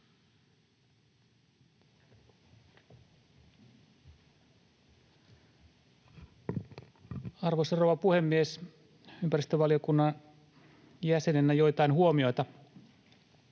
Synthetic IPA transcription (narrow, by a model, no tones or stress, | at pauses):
ɑrʋosɑroʋɑpuhemːies | ympæɾist̪øʋɑliokunːɑn | jæsenenæjo̞jt̪ɑinhuomio̞jt̪ɑ